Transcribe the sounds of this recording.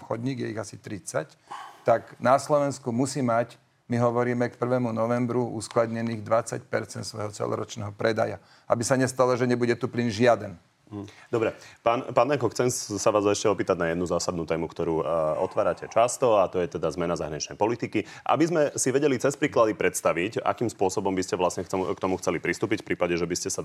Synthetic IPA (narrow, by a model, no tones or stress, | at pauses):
xɔd̪ɲiːɡjɛiɣasit̪ɾit͡sa̰c | t̪aɡnaslɔʋɛnskumusiːmac | miɦɔʋɔɾiːmɛkpr̩ʋɛːmunɔʋɛmbɾuʔṵsklad̪ɲɛniːɣd̪ʋat͡sa̰cpɛɾt͡sɛnt̪sʋɔ̰jɦɔt͡sɛ̰lɔ̰ɾɔ̰t͡ʃnɛ̰ɦɔpɾɛd̪a̰ja̰ | ʔabisaɲɛst̪alɔʒɛɲɛbuɟɛt̪uplinʒɪad̪ɛn | d̪ɔbɾɛpaːnpaːnakɔxt͡sɛmsaʋaːzɛʃcɛɔpiːt̪aɟnajɛd̪nuzaːsad̪nuːt̪ɛːmukt̪ɔɾuːɔt̪ʋaːɾacɛt͡ʃast̪ɔat̪ɔjɛt̪ɛd̪azmɛnazaɦɾaɲit͡ʃnɛjpɔlit̪iki | ʔa̰bizmɛsiʋɛɟɛlit͡sɛspɾiːklad̪ipɾɛt̪st̪aʋica̰kiːmspʊɔsɔbɔmbiscɛʋlasɲɛxkt̪ɔmuxt͡sɛlipɾist̪uːpicfpɾiːpaɟɛʒɛbiscɛsa